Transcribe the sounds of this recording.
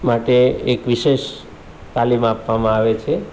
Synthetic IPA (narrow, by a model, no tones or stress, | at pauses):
maʈeekʋiʃeʃ | t̪alimapʋamãaʋet͡ʃʰe